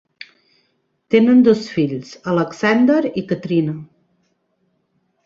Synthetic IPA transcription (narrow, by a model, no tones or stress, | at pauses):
t̪enənd̪osfiʎsələksɛnd̪əɾikət̪ɾinə